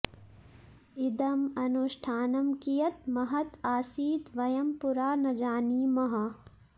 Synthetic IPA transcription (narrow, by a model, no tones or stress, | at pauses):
id̪ɐmɐnuʃʈʰaːnɐmkijɐt̪̚mɐɦɐt̪aːsiːd̪ʋɐjɐmpuɾaːnɐd͡ʒaːniːmɐɦɐ